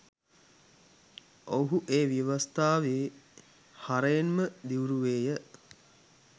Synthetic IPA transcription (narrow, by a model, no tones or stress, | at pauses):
ʔoɦuʔeːʋiəʋast̪aːʋeː | haɾəjenməd̪iuɾuʋeːjə